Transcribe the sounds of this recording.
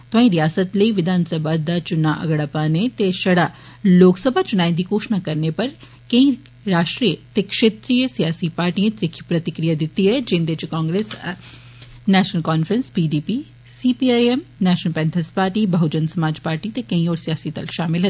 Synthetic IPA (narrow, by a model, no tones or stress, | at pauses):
t̪oãːĩɾijaːsət̪lɐiʋɪd̪ʱaːnsəbʱad̪at͡ʃʊnaʔɐ̰ɡəɽapaːnet̪eʃɐɽa | loːksəbʱat͡ʃʊnaːĩd̪ikoːʃnakɐɾnepɐɾ | kɐĩ | ɾaːʃʈɾijət̪ekʃeːt̪ɾiːjəsijaːsipaːɾʈiẽt̪ɾɪkʰipɾɐt̪ɪkɾijad̪ɪt̪ːiɦɛd͡ʒɪnd̪et͡ʃkãːŋɡɾeːs | nɛːʃnəlkaːnfɾə̃nspiːɖiːpi | siːpiaːɛmnɛːʃnəlpɛ̃ːnt̪ʰəspaːɾʈiːbɐɦud͡ʒənsɐmaːd͡ʒpaːɾʈit̪ekɐĩɔːɾsijaːsit̪ɐ̰lʃaːmɪlɦɐ